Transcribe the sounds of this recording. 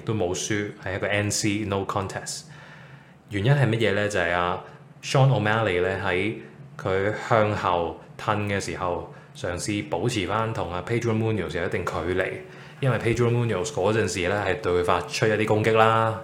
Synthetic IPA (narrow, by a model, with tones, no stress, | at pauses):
ɪ˨k̚t̪o˥wmo˨˧wsyː˥hɐ˨jɐ˥tkɔː˧ʔɛː˦˥nsiː˥no˥wkʰɔː˥nt̪ʰɛː˨st | jyː˨˩njɐ˥nɦɐ˨jmɐ˥t̚jɛː˨˧lɛː˥t͡sɐ˨ɐ˨jaː˧ | ʃɔː˥nɔ˨˧maː˥li˨˩lɛː˥ɦɐ˨˥jkʰɵ˨˧ɥhœː˧ŋhɐ˨˩wt̪ʰɐ˧nkɛː˧siː˨˩hɐ˨w | sœː˨˩ŋsiː˧po˨˥wt͡sʰiː˨˩faː˥nt̪ʰʊ˨˩ŋaː˧pʰe˥tɹu˥muː˥ni˨o˨˩ws̬jɐ˨wjɐ˥t̪ɪ˨ŋkʰɵ˨˧ɥlḛ˨˩j | jɐ˥nwɐ˨jpʰe˥jtɹu˥muː˥ni˨o˨˩wskɔː˨˥t͡sɐ˨nsiː˨lɛː˥ɦɐ˨jt̪ɵ˧kfaː˧t̚t͡ʃʰt̚jɐ˥t̪iː˥kʊ˥ŋkɪ˥k̚laː˥